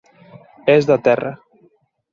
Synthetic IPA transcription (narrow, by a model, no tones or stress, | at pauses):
ezðat̪ɛrə̰